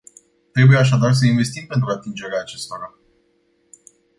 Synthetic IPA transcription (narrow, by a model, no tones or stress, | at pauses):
t̪ɾe̞buje̞aʃ̬ad̪ars̬əinve̞st̪impent̪ɾuat̪ind͡ʒe̞ɾeaːt͡ʃe̞st̪o̞ɾa